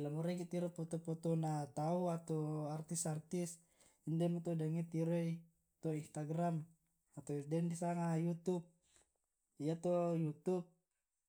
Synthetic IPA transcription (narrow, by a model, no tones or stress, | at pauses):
lamuɾɛkit̪iɾɔpɔt̪ɔpɔt̪ɔnat̪auat̪ɔart̪isart̪is | indɛmɔt̪ɔdaŋɛt̪iɾɔi | t̪ɔinst̪aɡram | at̪ɔdɛndisaŋajut̪up̚ | ijat̪ɔjut̪up̚